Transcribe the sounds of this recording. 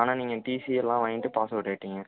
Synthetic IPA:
aːnaːniːŋɡɐʈiːsijɛlːãːʋɐnɪʈːɯpaːsɐʋɪʈːeʈːɪŋɡɐ

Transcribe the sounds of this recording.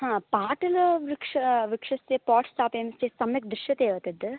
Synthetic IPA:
ɦãːpaːʈɐlɐʋɪkʂɐʋɪkʂɐsepɔːʈsʈaːpeːmɐst͡ʃesɐmɐk̚d̪ɾɪʃjɐt̪eːʋɐt̪ɐd̪ɨ

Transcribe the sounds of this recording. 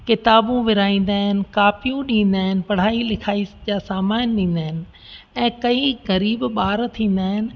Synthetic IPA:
kɪt̪aːbũʋɪɾaːĩːn̆d̪aːɦɪnɪ̆kaːpijũɗĩːn̆d̪aːɦɪnɪ̆pɐɽ̤aːilɪkʰaːisd͡ʑaːsaːmaːnɗĩːn̆d̪aːɦɪnɪ̆ | ɛ̃ːkɐiɣɐɾiːbɓaːɾt̪ʰĩːn̆d̪aːɦɪnɪ̆

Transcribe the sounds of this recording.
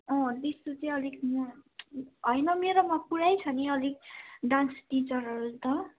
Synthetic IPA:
ʌ̃d̪ist̪ut͡sʌj̃ʌlikm | ɦʌjnʌmeɾomʌpuɽajt͡sʰʌniʌlik̚ɖãnsʈit͡sʌrɦʌɾust̪ʌ

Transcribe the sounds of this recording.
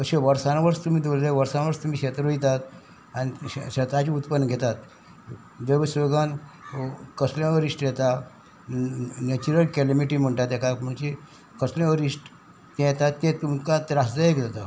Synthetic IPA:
əɕeʋəɾsanʋəɾst̪um̤iːd̪olleʋəɾsanʋəɾst̪um̤iːɕet̪ɾoit̪at̪ | aniɕet̪at͡ɕiːut̪pənːəɡʱet̪at̪ | ʋəʋsʋeɡan | kəslẽʋəɾisʈjɛt̪a | net͡ɕuɾəlkelimiʈiːm̤əɳʈat̪ɛkam̤əɳt͡ɕi | kəslẽʋəɾisʈ | t̪ɛ̃jɛt̪at̪ːẽt̪umkat̪ɾasd͡zaekd͡zat̪a

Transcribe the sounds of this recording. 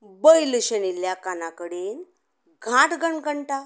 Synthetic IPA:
bəjləɕəniljakanakəɽiːn | ɡʱãt̪ɡʱəɳɡəɳʈa

